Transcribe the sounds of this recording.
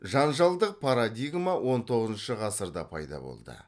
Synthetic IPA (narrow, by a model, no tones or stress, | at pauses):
ʒɑnʒɑlˠd̪əq̚pʰaɾad̪ʲijɡmawo̞nt̪ʰo̞ʁəzənʃəʁɑsəɾd̪ɑ̰pʰɑ̰jd̪ɑ̰bo̞̰lˠd̪ə̰